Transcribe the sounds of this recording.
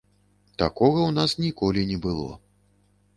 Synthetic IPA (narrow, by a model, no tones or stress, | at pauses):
t̪a̰kɔɣɐwn̪asnʲikɔlʲinʲɛbɨlˠɔ̰